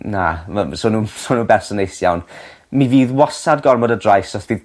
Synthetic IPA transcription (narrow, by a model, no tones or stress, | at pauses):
namasoːnuːsoːnuːbɛrsənejsjawn | miviːðwɔsadɡɔrmɔdədrajsɔθv̥iː